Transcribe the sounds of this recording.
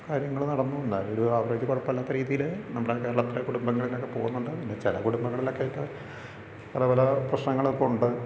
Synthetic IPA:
kaːɾjɐŋːɐɭnɐɽɐnːund̪aːloɾuaːʋɐraːd͡ʑɐkoɽɐpːɐɐlːaːt̪ːɐɾiːðijilnɐmːɐɽekːeːɾɐɭɐp̪ːɐɾɐkuɽumbɐŋːɐɭilokːepo̞ːɣunːuɳɖɨpinːet͡ɕelɐkuɽumbɐŋːɐɭilo̞kːeːʈːɐ | pɐlɐpɐlɐprɐɕnɐŋːɐɭipːomuɳɖɨ

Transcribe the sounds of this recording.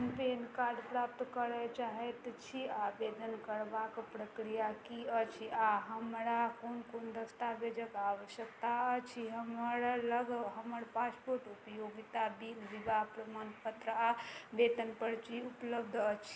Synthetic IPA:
mpenkaɾɖpɾap̚t̪kəɾɛt͡ʃaɦɛt̪t͡ʃʰiabed̪ənkəɾbakpɾəkɾijakiət͡ʃʰiaɦəmɾakonkond̪əst̪abed͡ʒəkaʋəʃjəkt̪aət͡ʃʰiɦəməɾləɡɦəməɾpaspoɾʈupəjoɡit̪abilʋibapɾəmənpət̪ɾəabet̪ənpəɾt͡ʃʰiupləbd̪ʱət͡ʃʰi̥

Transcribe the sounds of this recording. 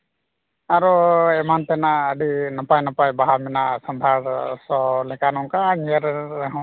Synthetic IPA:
aɾɔɛmant̪ɛnaəɖinɔpajnɔpajbaɦamɛnasɔnd̪ʱaɾsɔlɛkanɔŋkaŋɛɾaɦɔ̃

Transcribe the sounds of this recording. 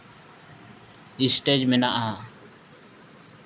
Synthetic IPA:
isʈed͡ʒmenaʔaa

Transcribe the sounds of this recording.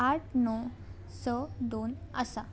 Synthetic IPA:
aʈ̚ʰnɔ | səd̪on | ə̰sa

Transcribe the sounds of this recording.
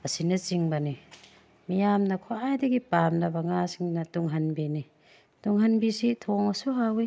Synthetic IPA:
ɐsinɐt͡ʃiŋbani | mijamnɐkʰoʔajdeɡipamnɐbɐŋasiŋnɐtuŋɦɐnbini | tuŋɦɐnbisit̪ʰɔŋɐsuɦawi

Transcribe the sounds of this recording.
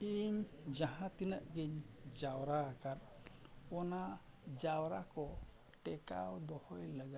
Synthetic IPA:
iɲd͡ʒãɦãt̪inəʔɡiɲd͡ʒawɾaːkaɾ | ɔna | d͡ʒawɾakɔ | ʈɛka̰wd̪ɔhɔjləɡa

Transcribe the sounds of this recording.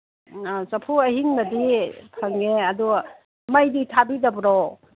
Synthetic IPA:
sapʰuahiŋnadipʰaŋeɐdu | majditʰabidabɾɔ

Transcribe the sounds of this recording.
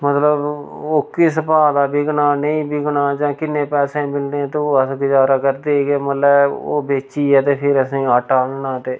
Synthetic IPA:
mət̪ləb | oːkːis̬əpaːd̪aːbɪɡnaːnəĩːbɪɡnaːd͡ʒãːkɪnːẽːpɛːsẽːmɪlnẽːt̪õːəsɡʊd͡ʒaːɾaːkəɾd̪eːɡeːməlɛːo̰ːbeːt͡ʃiːɛːt̪eːpʰɪɾəsĩːaːʈaːnnãːt̪eː

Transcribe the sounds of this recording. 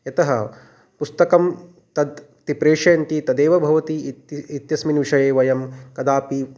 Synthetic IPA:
jɐt̪ɐɦɐ | pust̪ɐkɐm | t̪ɐd̪ | t̪ipɾeːʂɐjɐnt̪it̪ɐd̪eːʋɐbʱɐʋɐt̪iit̪jɐsminʋiʂɐjeːʋɐjɐmkɐd̪aːpi

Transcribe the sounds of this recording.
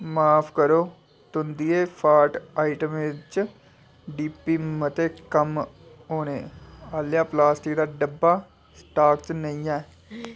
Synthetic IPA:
maːpʰkəɾoː | t̪ʊnd̪iːeːpʰaːɾʈaːɪʈəmeːt͡ʃ | ɖiːpiːmət̪eːkəm | ɦoːneːaːljãːplaːsʈɪk̚d̪aːɖəbːaː | sʈaːkt͡ʃnəĩːãː

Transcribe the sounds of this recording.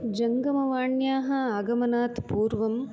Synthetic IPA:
d͡ʒɐŋɡɐmɐʋaːɳjaːɦɐɐɡɐmɐnaːt̪puːɾʋɐm

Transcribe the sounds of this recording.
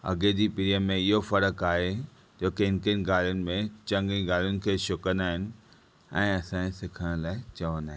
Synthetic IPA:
ɐ̰ɡed͡ʑipɪɾiəmẽɪɦofɐɾəkaːɦe | d͡ʑoːkeɪnkənɪ̆ɡaːljʊnɪ̆mẽt͡ɕɐ̃ŋɡiɡaːljʊnɪ̆kʰeːʃʊkə̃nd̪aːɦɪnɪ̆ | ɛ̃ːɐsãːsɪkʰəɽ̃laːɪt͡ɕɐʋə̃nd̪aːɦɪɪ

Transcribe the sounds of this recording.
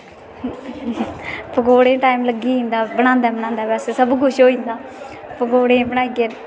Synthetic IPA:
pəɡoːɽẽːʈaːiːmləɡiːĩːnd̪aːbəɽãːnd̪aːbəɽãːnd̪aːbɛːseːsəbkʊʃɦoːĩːnd̪aː | pəɡoːɽẽːpɽaːiɡe

